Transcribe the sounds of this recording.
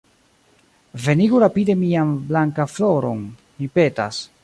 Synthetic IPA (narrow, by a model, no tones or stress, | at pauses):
ve̞niɡuɾapide̞mianblaŋkaflo̞ɾo̞̰n | mipe̞ta̰s